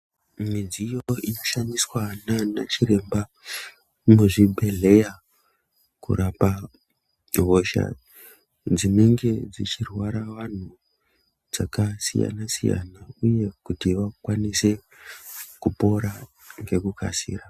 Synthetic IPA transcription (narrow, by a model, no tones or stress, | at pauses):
mid͡zijo̞inoʃaniswanana̰t͡ʃiɾe̞mba | muʐibʱe̞ɮe̞ja | kṵrapa | ɦo̞ʃa̰ | d͡zineŋɡe̞d͡zit͡ʃirwaɾaʋan̤u | d͡zakasḭja̰nasḭja̰nauje̞kutiʋakwanise̞ | kupo̞ɾa | ŋɡe̞kuka̰sḭːra